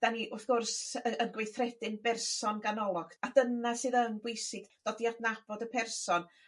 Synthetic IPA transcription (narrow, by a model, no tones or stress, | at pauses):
d̥aniʔʊθɡ̥ʊrsəənɡwɪθrɛdɪnbɛrsɔnɡanɔlˠɔɡ̥ad̥ənasɨːðənbwɪjsɪɡ̥d̥ɔdjadnab̥ɔdəpʰɛrsɔn